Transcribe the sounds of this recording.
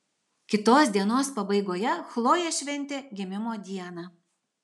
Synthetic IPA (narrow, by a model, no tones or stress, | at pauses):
kʲɪt̪oːsʲd̪ʲiɛnoːspɐbɐɪɡoːjɛxlˠoːjɛʃʲʋʲɛnʲt̪ʲeːɡʲɪmʲɪmoːd̪ʲiɛnɑː